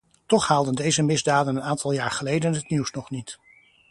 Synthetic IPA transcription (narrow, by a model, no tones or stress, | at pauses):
tɔχhaːlˠdəndejzəmɪzdaːdənənaːntɑlˠjaːɹχəlejdənɦətniwsnɔχnit